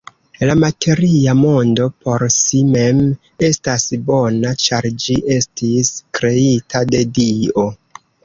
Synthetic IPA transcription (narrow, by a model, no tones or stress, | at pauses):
lamatʰe̞ɾiamo̞ndo̞po̞ɾsime̞m | e̞stasbo̞nat͡ʃaɾd͡ʒiʔe̞stiskɾe̞itʰade̞dio̞